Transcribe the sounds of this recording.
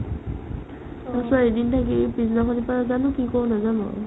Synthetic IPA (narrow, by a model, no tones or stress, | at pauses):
asaedintʰak̬ipiznakʰɔnipanazanʊkikɔwnazanʊ̰